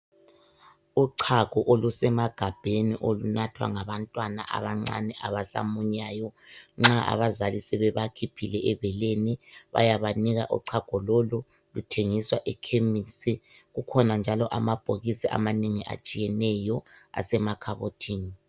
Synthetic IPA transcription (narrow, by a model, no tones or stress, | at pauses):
uǀʰaɡ̥ʱɔʔolusɛmaɡ̥ʱab̥ʱeniʔolunatʰwa̰ŋaβantʼwana̰ʔa̰βaŋ͡ǀa̰nɛʔaβasa̰muɲaːjɔŋ͡ǁaʔa̰βazalisɛβɛβakʰipʰilɛʔɛβɛleniβa̰jaβaniɣaʔṵǀʰaɡ̥ʱɔlolu | lutʰeŋiswaʔɛkʰemisi | ɣukʰɔnand͡ʒʱalɔʔamab̥ʱoɣisia̰maniŋiʔa̰t͡ʃʼijɛnɛjɔa̰sɛmakʰaβotʰiːni